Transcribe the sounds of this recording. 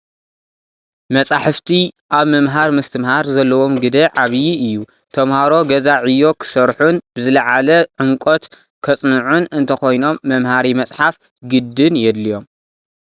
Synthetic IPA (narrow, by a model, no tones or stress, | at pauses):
mɐsʼaħɨft̪ʰiʔaβmɐmɦaɾmɨst̪ʰɨmhaɾzɐlːɐwo̞mɡɨd̪ɐʕaβjiɨjːu | t̪ʰɐmhaɾo̞ɡɐzaʕɨjːo̞kʰɨ̥sɐɾħunbɨzɨlɐʕalɐʕɨŋkʼot̪ | kʰɐt͡sʼnɨʕunɨnt̪ʰɐxo̞jno̞mːɐmhaɾimɐt͡sʼħaf | ɡɨd̪ːɨnjɛd̪lijo̞m